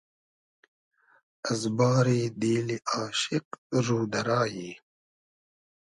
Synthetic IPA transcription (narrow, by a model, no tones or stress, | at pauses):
ɐzbaːɾiːd̪iːliʔaːʃɪqɾuːd̪ɐɾaːjiː